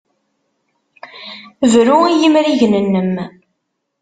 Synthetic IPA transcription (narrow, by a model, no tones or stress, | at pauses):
vɾuijimɾiʝnənːəm